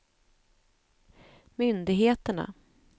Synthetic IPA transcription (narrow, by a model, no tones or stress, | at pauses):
mʏnd̪ɪɡɦeːt̪əɳa̰